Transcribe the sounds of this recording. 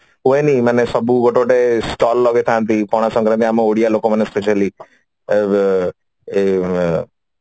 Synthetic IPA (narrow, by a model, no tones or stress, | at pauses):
ɦuenĩmanesɔbuɡɔʈoʈesʈɔlːɔɡet̪ʰant̪ikɔɽ̃asɔ̃ŋkɾənt̪iamoɽijalokomanespeʃəli | e